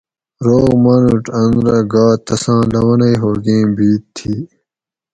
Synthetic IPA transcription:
ɾoːɣmɐnuʈɐ̃nɾɐɡaːt̪ɐsãːlɐwɐnɐjɦoːɡẽːbiːt̪t̪ʰːiː

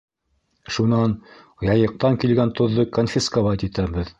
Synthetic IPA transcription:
ʃunɑn | jɑjɤ̆q̚t̪ɑŋkilɡænt̪ŏðːɤkonfʲiskovɑt̪it̪æbɘð

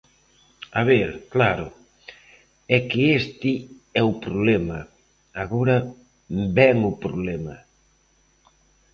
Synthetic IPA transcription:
aβeɾklaɾʊ̰ | ɛkɪest̪ɪ | ɛʊpɾoβlɛma | aɣoɾɐ | bɛŋʊpɾo̰βlɛmɐ̰

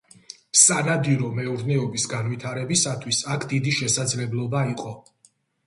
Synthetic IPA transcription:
sanad̪iɾɔmɛuɾnɛɔbisɡanwit̪ʰaɾɛbisat̪ʰwisakʰd̪id̪iʃɛsad̪zlɛblˠɔbaiqʼɔ

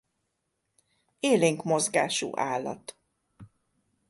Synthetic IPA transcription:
eːleːŋkmo̞zɡaːʃṵːʔaːlːɒ̰t̪

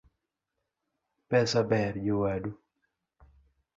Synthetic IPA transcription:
pɛsabɛɾd͡ʒowadu

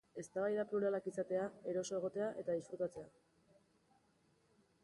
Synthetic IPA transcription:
e̞st̪aβajðapluɾalakisat̪e̞ae̞ɾo̞so̞e̞ɣ̞o̞t̪e̞aʔe̞t̪aðisfɾut̪at͡se̞a

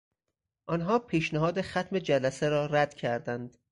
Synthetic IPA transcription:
ʔɒnɦɒːpʰiːʃnæɦɒːd̪exæt̪me̞d͡ʒælæseɾɒːɾæd̪̥cʰæɾd̪ænd̪̥

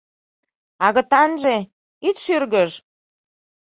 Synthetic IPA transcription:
ɑɣə̆t̪ɑnʒe | it̪ʃyrɣəʃ

